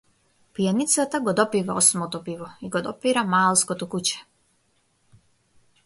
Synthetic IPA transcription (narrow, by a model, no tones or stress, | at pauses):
pijanit̪sat̪aɡɔd̪ɔpivaɔsmɔt̪ɔpivɔiɡɔd̪ɔpiɾamalˠskɔt̪ɔkut͡ɕɛ̥